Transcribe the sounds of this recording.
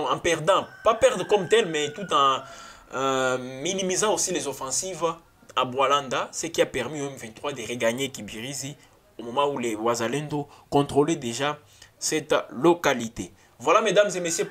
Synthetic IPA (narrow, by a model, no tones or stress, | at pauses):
ɑ̃pɛʁd̪ɑ̃papɛʁd̪ʁkɔmt̪ɛlmɛt̪ut̪ɑ̃ | minimizɑ̃osilezofɑ̃siv | abwalãnd̪asɛkiapɛʁmiɛmvɛ̃t̪χʁwad̪eʁeɡaɲekibiʁizi | omomɑ̃ulewazalɛ̃nd̪okɔ̃t̪χoled̪eʒa | sɛt̪lokalit̪e | vwalamed̪amzemesjø